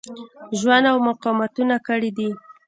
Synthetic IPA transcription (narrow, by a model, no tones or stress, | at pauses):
ʒwand̪awmʊqɑmat̪unakəɽid̪i